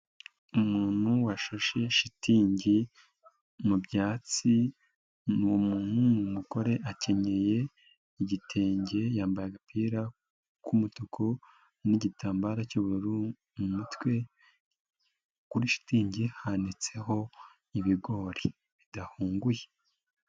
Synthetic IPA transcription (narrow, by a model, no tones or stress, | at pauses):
umuːn̥huwaʃaʃe̞ʃitiːɲɟi | mubɟaːt͡si | nuwomuːn̥humumuko̞ɾe̞ʔace̞ɲe̞je̞ | iɟitʰe̞ːɲɟe̞jaːmbajaɡapʰiːɾa | kumutukʰo | niɟitaːmbaɾacuβuɾuɾu | mumutwe̞ | kuɾiʃi̥tiːɲɟihanit͡se̞ɦo̞ | iβiɡo̞ɾi | βidahuːŋɡuje